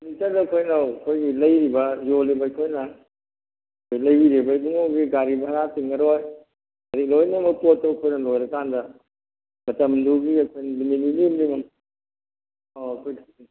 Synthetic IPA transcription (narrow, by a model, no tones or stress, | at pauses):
nitɐdɐːkʰojnawɐkʰojɡilɐjɾibɐzolibɐjkʰojnɐ | kʰojlɐjbiɾebɐjbuŋowɡiɡaɾibɐɦɐɾatiŋɐɾoj | ɐɾik̚lojnemɐpotːɐwkʰojnɐlojɾɐkandɐ | mɐtɐmduɡiɐkʰojnɐbinininimlimɐm | oɐkʰojɡi